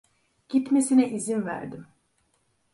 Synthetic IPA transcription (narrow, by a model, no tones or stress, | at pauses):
ɟ̥it̪mesinɛʔizinvæ̰ɾd̪im